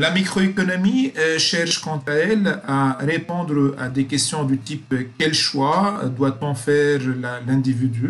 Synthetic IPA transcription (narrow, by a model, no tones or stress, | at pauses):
lamikχɔekɔnɔmiʃɛʁʃkɑ̃t̪aɛlaʁepɔ̃d̪ʁəa̰d̪ekʲɛst̪jɔ̃d̪yt̪ipkʲɛlʃwa̰d̪wat̪ɔ̃fɛʁlalɛ̃d̪ivid̪y